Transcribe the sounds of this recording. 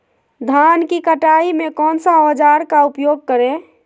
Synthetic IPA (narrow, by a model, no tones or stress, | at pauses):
d̪ʱaːnkikəʈaːimẽkɔːnsaɔd͡ʒaːɾkaʊpjoːɡ̚kəɾẽ